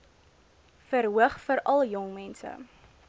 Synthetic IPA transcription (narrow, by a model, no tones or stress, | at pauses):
fəɾɦuəχfəɾɐlˠjɔŋmɛnsə̰